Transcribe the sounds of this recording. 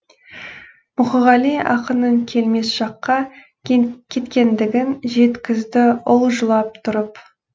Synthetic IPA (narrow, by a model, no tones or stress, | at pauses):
mʊχəʁɑliɑ̰qənəɴkʲʰe̞lme̞sʒ̥ɑqːɑ | kʲʰe̞t̪kʲe̞nd̪ɪɡʲɪnʒe̞t̪kʲɪzd̪ɪʊlˠʒəlˠɑp̚t̪ʰʊɾəp